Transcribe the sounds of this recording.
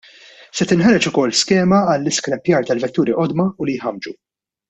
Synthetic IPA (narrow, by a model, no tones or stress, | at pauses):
sɛt̪ɪnħɐɾɛt͡ʃʊkɔlːskɛːmɐːlːɪskɾɛpjɐːɾt̪ɐlvɛt̪ːuːɾiʔɔd̪mɐʊlijħɐmd͡ʒu